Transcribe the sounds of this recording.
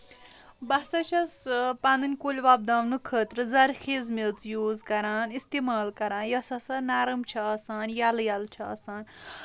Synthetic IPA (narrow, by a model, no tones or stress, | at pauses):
basɐt͡ʃʰɐspãnd̪ɨnʲkolʲʋab̚d̪aʋnɨkʰət̪ɾɨzɐɾxʰezmelt͡sjoːzkɐɾaːnist̪emaːlkɐɾaːnjɐsɐsɐnaːɾɐmt͡ʃʰɐɐsaːnjaljalt͡ʃʰɐɐsaːn